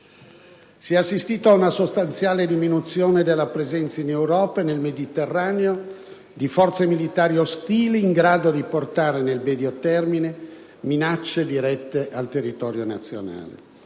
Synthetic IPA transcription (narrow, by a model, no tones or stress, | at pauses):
siɛasːist̪iːt̪oaunasost̪ant̪sjaːled̪iminut̪sjoːned̪elːapɾezɛnt̪sainewɾɔːpaenelmed̪it̪erːaːneo | d̪ifɔrt̪semilit̪aːɾiost̪iːliːŋɡɾaːd̪od̪iport̪aːɾenelmed̪iot̪ɛrmine | minat͡ʃːed̪iɾɛt̪ːeʔalt̪erːit̪ɔːɾjonat̪sːjo̰na̰ːlḛ